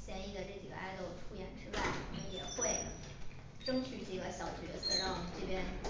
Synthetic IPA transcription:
ɕjɛ˥˧ni˥˩d̪ə˩ʈ͡ʂɤ˥˩t͡ɕḭ˨˩ɡə̰˧ʔa˥ɪlo˥˩ʊʈ͡ʂʰu˥jɛ̰˨˩nʈ͡ʂɻ̩˥wa˥˩ɪ˥˩jɛ˨˩xwe˥˩ɪ | ʈ͡ʂɤ˥ŋt͡ɕʰy˨˧˥t͡ɕi˨˩ɡə˧˦ɕjɑ˨˩ʊt͡ɕɥɛ˧˥t͡sɤ˨˩ɻɑ˥˧ŋʈ͡ʂɤ˥˩pjɛ˥n

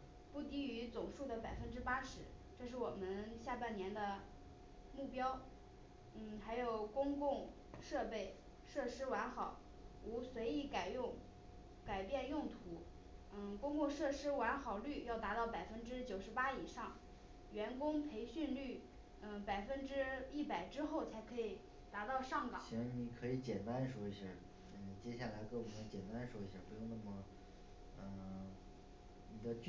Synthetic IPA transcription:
pu˥˩t̪i˧˥y˧˥t͡sʊ˨˩ŋʂu˥˩d̪ə˩pa˨˩ɪfə˥nʈ͡ʂɻ̩˥pa˥ʂɻ̩˧˥ʈ͡ʂɤ˥˧ʂ̬ɻ̩˥˩wɔ˨˩mə˦nɕja˥˧pa˥˩nnjɛ˧˥nd̪ə˧ | mu˥˩pjɑ˥ʊ | n̩˥˩xa˧˥ɪjo˨˩ʊkʊ˥ŋkʊ˥˧ŋ | ʂɤ˥˧pe˥˩ɪ | ʂɤ˥˩ʂɻ̩˥wa˧˥nxɑ˨˩˦ʊ | u˧˥swe˧˥ɪi˧˥˩ka˨˩ɪjʊ˥˩ŋ | ka˨˩ɪpjɛ˥˧njʊ˥˩ŋt̪ʰu˧˥ | n̩˥˩kʊ˥ŋkʊ˥˧ʂɤ˥˩ʂɻ̩˥wa˧˥nxɑ˨˩ʊly˥˩jɑ˥˩ʊt̪a˧˥t̪ɑ˥˩ʊpa˨˩ɪfə˥nʈ͡ʂɻ̩˥t͡ɕjo˨˩ʊʂɻ̩˧˥pa˥i˨˩ʂɑ˥˩ŋ | ɥɛ˧˥nkʊ˥ŋpʰe˧˥ɪɕy˥˧nly˥˩ | n̩˥˧˩pa˨˩ɪfə˥nʈ͡ʂɻ̩˥i˥˩pa˨˩ɪʈ͡ʂɻ̩˥xo˥˩ʊt͡sʰa˧˥ɪkʰɤ˧˥i˨˩ | t̪a˧˥t̪ɑ˥˧ʊʂɑ˥˩ŋkɑ̰˨˧ɕi˧˥nwa˥˩ni˧˥kʰɤ˧˥i˧˥t͡ɕjɛ˨˩nt̪a˥nʂwɔ˥i˧˩ɕjə˥˩ | ə˧˩t͡ɕjɛ˥ɕja˥˩la˧˥ɪke˥wɔ˨˩nə˧˥t͡ɕjɛ˨˩nt̪a˥nʂwɔ˥i˧˩ɕjə̰˥˩pu˧˥jo˥˧ŋna˥˩mə˩ | ə˧˩ | ni˨˩d̪ə˦t͡ɕ

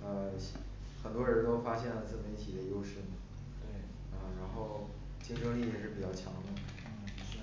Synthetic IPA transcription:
ə˧ɕ | xə˨˩nt̪wɔ˥ɻə˧˥nt̪o˥ʊfa˥ɕjɛ˥˩nlə˩t͡sɹ̩˥˩mə˧˥i˥˩t͡ɕʰi˨˩d̪ə˦jo˥ʊʂɻ̩˥˩nə˩ | t̪ | ə˥˧ɻa˧˥nxo˥˩ʊ | t͡ɕi˥ŋʂɤ˥ŋli˥˩t͡ɕi˥˩ʂɻ̩˥˩pi˨˩t͡ɕjɑ˥˩ʊt͡ɕʰjɑ˧˥ŋd̪ə˧˩˥

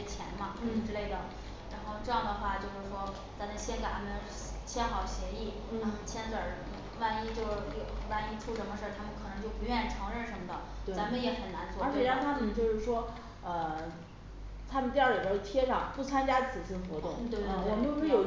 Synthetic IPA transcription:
t͡ɕʰjɛ̰˧˥nmɐ˧n˥˩ʈ͡ʂɻ̩˥˧le˥˩ɪd̪ə˩ | ɻa˧˥nxo˥˧ʊʈ͡ʂɤ˥˧jɑ˥˩ŋd̪ə˩xwa˥˩t͡ɕjo˥˧ʊʂɻ̩˥˩ʂwɔ˥ | t͡sa˧˥ɪnə˧˥ɕjɛ˥nke˨˩ɪt̪ʰa˥mə˨ | t͡ɕʰjɛ˥nxɑ˨˩ʊɕjɛ˧˥i˥˩ | n̩˥ə˥˧˩t͡ɕʰjɛ˥nt͡swə˞˨˩˥wa˥˩ni˥t͡ɕjo˥˧ʊjo˨˩wa˥˩ni˥ʈ͡ʂʰu˥˩ʂə˧˥nmə˧ʂə˞˥˩t̪ʰa˥mə˨nkʰɤ˨˩nɤ˧˥ŋt͡ɕjo˥˩ʊpu˧˥ɥɛ˥˩i˨˩ʈ͡ʂʰɤ˧˥ŋɻə˥˩nʂə˧˥nmə˧˩d̪ə˨˩wa˧˥mə˧jɛ˧˥xə˨˩nna˧˥nt͡swɔ˞˥˧˥e˥˩a˧˥nt̪ʰa˥mə˨nt͡ɕjo˥˧ʊʂɻ̩˥˩ʂwɔ˥ | ə˧ | t̪ʰa˥mə˨nt̪jɑ˥˩lə˨i˨˩ə˥˩t̪ʰjɛ˥ʂɑ˥˩ŋpu˥˩t͡sʰa˥nt͡ɕja˥t͡sʰɹ̩˨˩ɕi˥nxwɔ˧˥t̪ʊ˥˩ŋt̪we˥˧˥wɔ˨˩mə˦njo˥˧˥jo˨˩ʊ

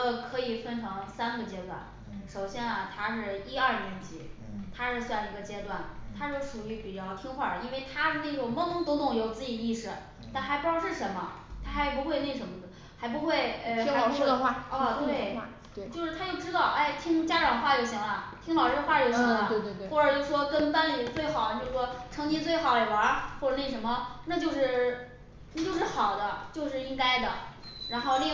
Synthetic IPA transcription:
kʰɤ˧˥i˨˩fə˥nʈ͡ʂʰɑ˧˥ŋsa˥nɡə˨t͡ɕjɛ˥t̪wa̰˥˩n | ʂo˨˩ʊɕjɛ˥nɐ˨˩t̪ʰa˥ʂɻ̩˥˩i˥ɐ˞˥˩njɛ˧˥nt͡ɕi˧˥ | t̪ʰa˥ʂɻ̩˥˧swa˥˧ni˧˩ɡə˩t͡ɕjɛ˥t̪wa˥˩nt̪ʰa˥ʂɔ˥˩ʂu˨˩y˧˥pi˨˩t͡ɕjɑ˥˧ʊt̪ʰi˥ŋxwa̰˥˩i˥nwe˥˩ɪt̪ʰa˥˧ne˥˩ʈ͡ʂʊ˨˩mɤ˥˧nʊ˥ŋt̪o˧˥ʊt̪ʊ˨˩ŋjo˨˩ʊt͡sɹ̩˥˩i˨˩i˥˧ʂɻ̩˥˩ | t̪a˥˩nxa˧˥ɪpu˧˥jʊʂɻ̩˥˩ʂə˧˥nmɐ̰˧t̪ʰa˥xa˧˥ɪpu˧˥xwe˥˧ɪne˥˩ɪʂə˧˥nmə˧˩d̪ | xa˧˥ɪp̬u˧˥xwe˥˩ɪə˧˩˥ʂ̩˥ə˧wa˥˩˧t̪we˥˩ɪ˥ | t͡ɕjo˥˧ʊʂɻ̩˥t̪ʰt͡ɕjo˥˩ʊʈ͡ʂɻ̩˥t̪ɑ˥˩ʊʔa˥˩ɪt̪ʰi˥ŋt͡ɕja˥ʈ͡ʂɑ˨˩ŋxwa˥˩jo˨˩ʊɕi˧˥ŋlə˧t̪ʰi˥ŋlɑ˨˩ʊʂɻ̩˥ə˧xwa˥˩jo˧˩ʊɕi˧˥ŋlə˧xwɔ˥˩ʈ͡ʂə˨˩jʂ̩˧ʂwɔ˥kə˥nfa˥nli˨˩t͡swe˥˩ɪxɑ˨˩ʊ˦t͡ɕjo˥˧ʊʂ̩˥˩ʂwɔ˥ʈ͡ʂʰɤ˧˥ŋt͡ɕi˥t͡swe˥˩ɪxɑ˨˩ʊlə˨˩wə˞˧˥xwɔ˥˩ʈ͡ʂə˨˩ne˥˩ɪʂə˧˥nmə˧na˥˧t͡ɕjo˥˧ʊʂɻ̩˥˩ | na˥˩t͡ɕjo˥˧ʊʂ̬ɻ̩˥˩xɑ˨˩ʊd̪ə˦t͡ɕjo˥˧ʊʂɻ̩˥˩i˥ŋka˥ɪd̪ə̰˨ɻa˧˥nxo˥˧ʊli˥˧

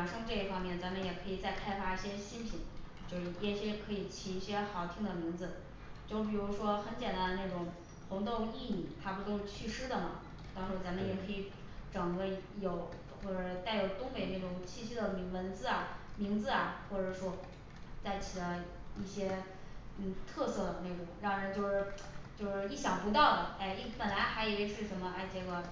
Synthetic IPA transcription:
nʂɤ˥ŋʈ͡ʂɤ˥˩i˥˩fɑ˥ŋmjɛ˥˩nt͡sa˧˥nmə˧njɛ˨˩kʰɤ˧˥i˨˩t͡sa˥˩ɪkʰa˥ɪfa˥i˥˩ɕjɛ˥ɕi˥npʰi˧˩˥ŋ | t͡ɕjo˥˧ʊʂ̩˧˩ɛ˥˩ɕjɛ˥kʰɤ˧˥i˨˩t͡ɕʰi˧˥i˥˩ɕjɛ˥xɑ˧˥ʊt̪ʰi˧˥ŋd̪ə˩mi˧˥ŋd͡zɹ̩˧ | t͡ɕjo˥˩ʊ˩p̬i˨˩ɻu˧˥ʂwɔ˥xə˧˥nt͡ɕjɛ˨˩nt̪a˥nə˧na˥˩ʈ͡ʂʊ˨˩ŋ | xʊ˧˥ŋt̪o˥˧ʊi˥˩ni˨˩t̪ʰa˥pu˧˥t̪o˥˧ŋ˧t͡ɕʰy˥˧ʂɻ̩˥d̪ə˨nə˩ | t̪ɑ˥ŋʂɻ̩˥˩t͡sa˧˥nmə˧njɛ˨˩kʰɤ˧˥i˧˩˥ | ʈ͡ʂɤ˨˩ŋkɤ˧˥jo˨˩˦ʊ | xwɔ˥˩ʈ͡ʂɤ˨˩˥t̪a˥˩ɪjo˨˩ʊt̪ʊ˥ŋpe˨˩ɪna˥˩ʈ͡ʂʊ˨˩ŋt͡ɕʰi˥˧ɕi˥d̪ə˨mi˧˥wə˧˥nt͡sɹ̩˥˧ɐ˨˩mi˧˥ŋd͡zɹ̩˧ɐ˨˩xwɔ˥˩ʈ͡ʂɤ˨˩ʂwɔ˥ | t͡sa˥˩ɪt͡ɕʰi˨˩lə˦i˥˩ɕjɛ˥ | n̩˥˩t̪ʰɤ˥˧sɤ˥˩d̪ə˩ne˥˩ʈ͡ʂʊ˨˩˦ŋɻɑ˥˩ŋɻə˧˥nt͡ɕjo˥˧ʊʂɻ̩˥˧t͡ɕjo˥˧ʊʂɻ̩˥˧i˥˩ɕjɑ˨˩ŋpu˧˥t̪ɑ˥˩ʊd̪ə˩a˥˩ɪi˥˩pə˨˩nla˧˥ɪxa˧˥ɪjɛ˧˥ɛ˧˥ʂɻ̩˥˩ʂə˧˥nmə˧ʔa˥˩ɪt͡ɕe˧˥ɡə˧

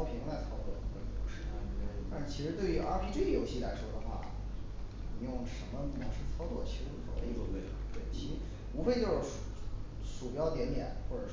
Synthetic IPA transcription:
ʊpʰi˧˥ŋla˧˥ɪt͡sʰɑ˥ʊt͡swɔ̰˥˧˩ə˧˩˥wə˧˩n˨˩o˧˥ʂɻ̩˥˩˥t̪a˥nʂɻ̩˥˩t͡ɕʰi˧˥ʂɻ̩˧˥t̪we˥˩ɪy˧˥ʔa˥˧˥pʰi˥ʈ͡ʂe˥˩jo˧˥ʊɕi˥˩la˧˥ɪʂwɔ˥d̪ə˧xwa̰˥˩ | ni˨˩jʊ˥˩ŋʂə˧˥nmə˥˧nu˧˩ə˧˥˩ŋʂɻ̩˥˩t͡sʰɑ˥ʊt͡swɔ˥˩t͡ɕʰo˥ʊ˧˩o˧˥ə˧i˥˩˥ke˥˩˧e˥˩t͡ɕʰi˧˥ | u˧˥fe˥˧ɪt͡ɕjo˥˧ʊʂ̩˥˩ | ʂu˨˩pjɑ˥ʊt̪jɛ˧˥nt̪jɛ̰˨˩˦nxwɔ˥˩ʈ͡ʂɤ˨˩

